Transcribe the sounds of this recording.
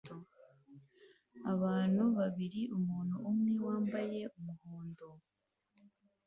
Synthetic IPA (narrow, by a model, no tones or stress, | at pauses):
aβaːn̥huβaβiɾiʔumuːnhuːmŋewaːmbaje̞ʔumuhoːndo